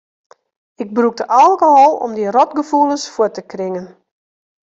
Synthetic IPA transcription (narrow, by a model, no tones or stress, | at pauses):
ɪɡ̚bruk̚dəʔalˠkoɦɔlˠɔ̰mdirɔtɡəfulˠəsfuətəkrɪŋən